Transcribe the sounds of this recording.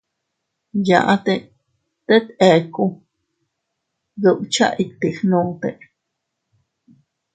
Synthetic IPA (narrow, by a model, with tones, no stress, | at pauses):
ja̰˧ʔa˦t̪e | t̪e˦t̪e˨ku˦ | ɣəwt͡ʃa̰ʔikt̪ixnũ˧t̪e˧ʔ